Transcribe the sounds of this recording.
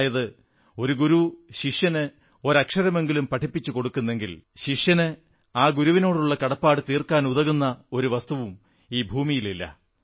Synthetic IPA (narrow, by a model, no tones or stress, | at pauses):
jɐðɨ | o̞ɾuɡuɾuɕiʂjɐnɨ | o̞ɾɐkʂɐɾɐme̞ŋɡilumpɐʈʰipːit͡ɕːuko̞ɽukːunːe̞ŋɡilɕiʂjɐnɨ | aːɡuɾuʋino̞ːɽuɭːɐkɐɽɐpːaːɽɨt̪iːrkaːnuðɐɣunːɐo̞ɾuʋɐst̪uʋum | iːbʱuːmijililːɐ̰